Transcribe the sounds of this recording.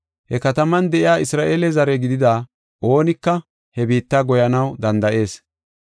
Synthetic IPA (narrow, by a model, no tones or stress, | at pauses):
hɛkɐt̪ɐmɐnd̪ɛʔɪaːɪsɾaːʔeːlɛzɐɾɛɡɪd̪ɪd̪aː | ʔo̞ːnɪkːɐ | hɛbiːt̪ːaːɡɔjɐnɐwd̪ɐnd̪ɐʔe̞ːs